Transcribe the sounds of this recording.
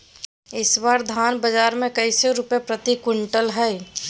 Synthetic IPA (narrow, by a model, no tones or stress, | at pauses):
ɪswaːɾd̪ʱaːnbəd͡ʒaːɾmẽkəɪseɾʊpjepɾət̪ikʊɳʈəlɦɛ